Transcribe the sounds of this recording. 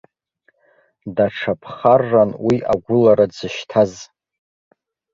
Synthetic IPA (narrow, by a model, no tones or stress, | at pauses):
daʈ͡ʂʰapʰχarːanwiʔaɡʷʊlaɾad͡zɨʃtʰaz